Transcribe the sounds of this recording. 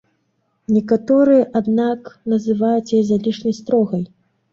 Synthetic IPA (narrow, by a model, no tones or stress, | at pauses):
nʲɛkat̪ɔɾɨjɐʔad̪naknɐzɨvajut͡sʲjɛzalʲiʂnʲɐjst̪ɾɔɣɐj